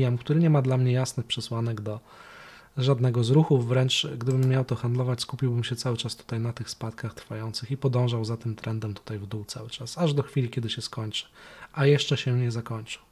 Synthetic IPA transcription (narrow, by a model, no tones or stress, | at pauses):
jamkt̪uɾɘɲɛmad̪lamɲɛjasnɘxpʂɛswanɛɡd̪ɔ | ʐad̪nɛɡɔzɾuxuːɾɛnt͡ʂɡd̪ɘbɘmːjawt̪ɔxand̪lɔvat͡ɕskupʲiwbɘmɕɛt̪sawɘt͡ʂast̪u̥t̪ajnat̪ɘxspat̪kaxt̪ɾfajɔnt̪sɘxipɔd̪ɔ̃w̃ʐawzat̪ɘmt̪ɾɛnd̪ɛmt̪u̥t̪ajvd̪uwt̪sawɘt͡ʂasaʐd̪ɔxfʲilʲikʲɛd̪ɘɕɛskɔɲt͡ʂɘ̥ʔajɛʂt͡ʂɛɕɛɲɛzakɔɲt͡ʂɘ̥